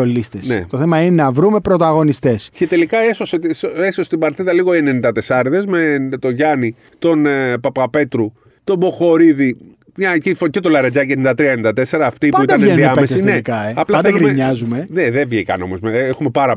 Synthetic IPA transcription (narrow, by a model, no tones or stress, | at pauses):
olist̪esnḛt̪oθemɐinenɐvɾume̞pɾo̞t̪ɐɣo̞nist̪e̞sce̞t̪e̞likɐesoset̪isesose̥t̪ibɐɾt̪iðɐliɣoenenind̪ɐt̪e̞sɐɾðe̞zmet̪o̞ʝɐni | t̪o̞npɐpɐpe̞t̪ɾu | t̪o̞bo̞xo̞ɾiði | mɲɐcifocet̪o̞lɐɾɐd͡zɐcenind̪ɐt̪ɾiɐenind̪ɐt̪e̞se̞ɾɐːft̪ipɐuid̪ɐnneniɐmpeessinneikɐeɐplɐɐd̪eɡɾimeɲɐzume̞ðeðevʝekɐ̰no̞̰mo̞̰zmeexume̞pɐɾɐ